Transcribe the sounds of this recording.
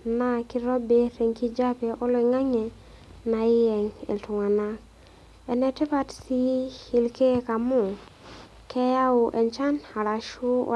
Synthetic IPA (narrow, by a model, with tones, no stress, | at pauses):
na˨ki˨ɾɔ˦be˦ɾe˨ŋki˦d͡ʒa˦pe˨ʔɔ˦lɔ˨i˨ŋa˦ɲɛ˨ | na˨ɪ˦jɛ˨ŋḭ˨ltʊ˨ŋa˨na˦ | ɛ˨nɛ˨te˦pa˦tsi˦hi˨lke˦ka˨mu˦˨ | kʰɛ˦ja˦u˨ʔɛ˨ɲt͡ʃa˦na˨ɾa˨ʃṵ˦˨